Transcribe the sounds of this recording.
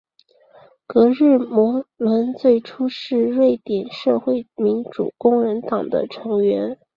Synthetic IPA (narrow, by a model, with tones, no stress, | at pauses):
kɤ˧˥ɻɻ̩˥˩mwɔ˧˥lwə˧˥nt͡swe˥˩ɪʈ͡ʂʰu˥ʂɻ̩˥˧ɻwe˥˩ɪt̪jɛ˨˩nʂɤ˥˧xwe˥˩ɪmi˧˥nʈ͡ʂṵ˨˩kʊ˥ŋɻə˧˥nt̪ɑ˨˩ŋd̪ə̰˦ʈ͡ʂʰɤ˧˥ŋɥɛ˧˥n